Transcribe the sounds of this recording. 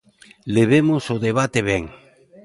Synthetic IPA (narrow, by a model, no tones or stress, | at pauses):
leβ̞emosoðeβ̞at̪eβ̞ɛŋ